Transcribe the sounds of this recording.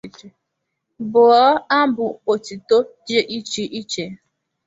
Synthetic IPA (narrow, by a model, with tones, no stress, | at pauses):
e˨ | bʊ˨ɔ˦a˦bʊ˨o˨ti˨to˦d͡ʒe˦ʔi˦t͡ʃi˨ʔi˦t͡ʃe˨